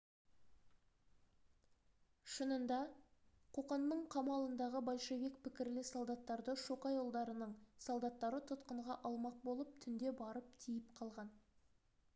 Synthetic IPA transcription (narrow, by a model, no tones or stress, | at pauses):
ʃənənd̪ɑqʰo̞qɑnːəɴqʰɑmɑlˠənd̪ɑʁəbɑlʲˠʃevek̚pʰɪkʲɪɾlɪsolˠd̪ɑt̪ːɑɾd̪əʃoqɑjolˠd̪ɑɾənəɴsolˠd̪ɑt̪ːɑɾət̪ʰʊt̪qəɴʁɑʔɑlˠmɑq̚bolˠəp̚t̪ʰʏnd̪e̞bɑɾəp̚t̪ʰijɪpqʰɑlˠʁɑn